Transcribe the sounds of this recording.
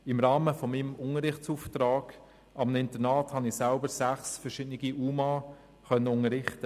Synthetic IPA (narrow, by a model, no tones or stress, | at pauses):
ɪmɾɑːməfɔmimʊŋəɾɪχt͡suːftɾaːɡ̥ | ɑmnɪntəɾnaːthɑnɪsalbəɾsæχsfɛɾʃɪdnɪɡiʔuːmɑː | χœnːəʊŋəɾɪχtə